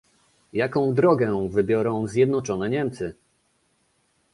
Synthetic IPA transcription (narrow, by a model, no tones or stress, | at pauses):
jakɔ̃w̃d̪ɾɔɡɛvɘbʲjɔɾɔ̃w̃zʲjɛd̪nɔt͡ʂɔnɛɲɛmt̪sɘ